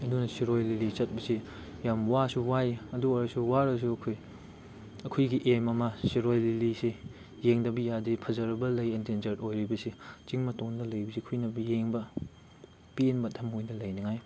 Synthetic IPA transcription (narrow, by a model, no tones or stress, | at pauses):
ɐdunɐsiɾojlilit͡ʃɐt̚bɐsi | jamwasuwajɐduɐɾɐsuwaɾɐs̬uɐkʰoj | ɐkʰojɡiʔemɐmɐsiɾojlilisi | jeŋdɐbijadipʰɐzɐɾɐbɐlːɐjentend͡ʒɐɾtojɾibɐsit͡ʃiŋmɐtoŋndɐlɐjbɐsikʰujnɐbɐjeŋbɐ | pinbɐtʰɐmojdɐlɐjniŋaj